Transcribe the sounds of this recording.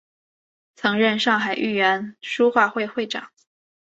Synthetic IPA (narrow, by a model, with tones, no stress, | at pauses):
t͡sʰɤ˧˥ŋɻə˥˧nʂɑ˥˩ŋxa˨˩ɪʔy˥˩ɥɛ˧˥nʂu˥xwa˥˧xwe˥˧ɪxwe˥˩ɪʈ͡ʂɑ̰˨˩˦ŋ